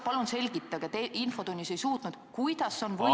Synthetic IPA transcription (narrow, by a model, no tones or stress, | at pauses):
pɑlunse̞lʲɡ̥it̪ˑːɑɡ̥et̪einfo̞t̪unʲːisejsuːt̪nud̪̥kujd̪̥ɑsːeonvɤ